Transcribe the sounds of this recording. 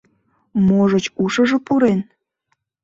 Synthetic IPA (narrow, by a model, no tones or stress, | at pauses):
moʒət͡ɕuʃə̆ʒĕpuɾen